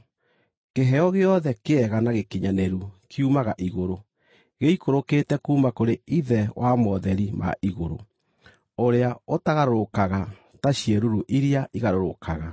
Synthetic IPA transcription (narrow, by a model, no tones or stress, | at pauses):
keɦɛɔɣeɔðɛkeɛɣanaɣekiɲanɛɾukʰiumaɣaʔiɣoɾo | ɣeikoɾoketɛkuːmakoɾeiðɛwʔamɔðɛɾima̰ʔiɣoɾo̰ | oɾeaotaɣaɾoɾokaɣa | taɕieɾuɾuʔiɾiaʔiɣaɾoɾokʰaɣa